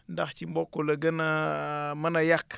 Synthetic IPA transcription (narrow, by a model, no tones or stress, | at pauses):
ndaxt͡ʃimbokːolaɡənamanajak